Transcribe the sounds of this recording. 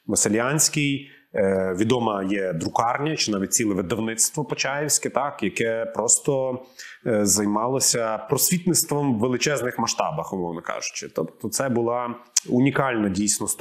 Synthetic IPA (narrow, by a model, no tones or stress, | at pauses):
ʋɐsɪlʲjanʲsʲkɪj | ʋʲid̪ɔmɐjɛd̪ɾʊkɑrnʲɐt͡ʃɪnɑʋʲit̚ʲt͡sʲilˠɛʋɪd̪ɐwnɪt̪st̪ʋɔpɔt͡ʃɑjɪwsʲkɪt̪ɑkjɐkɛpɾɔst̪ɔ | zɐjmɑlˠɔsʲɐpɾɔsʲʋʲit̪nɪtst̪ʋɔmːelˠɪt͡ʃɛznɪxmɐʃt̪ɑ̰bɐxʊmɔwnɐkɑ̰ʒʊ̥t͡ʃɪt̪ɔpt̪ɔt̪sɛbʊlˠɑunʲikɑlʲnɐdʲijsʲnɔs